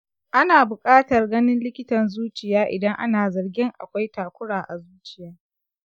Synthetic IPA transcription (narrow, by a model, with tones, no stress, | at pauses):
ʔa˦naː˨bʊ˨kʼaː˦tɐ˨rɡɐ˦nɪ˦nlɪ˦kʲɪ˦tɐ˨nzuː˦t͡ʃɪ˨jaː˦ʔɪ̰˨dɐ˦ŋʔa̰˦naː˨zɐ˨rɡʲɪ˦ŋʔa̰˨kʷa˦jtaː˨kʷʊ˦ɽaː˨ʔa˨zuː˦t͡ʃɪ̥˨jaː˦